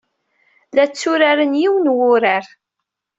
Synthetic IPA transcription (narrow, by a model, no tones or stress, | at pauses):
læt͡sːʊɾaɾənjiwənwʊɾaɾ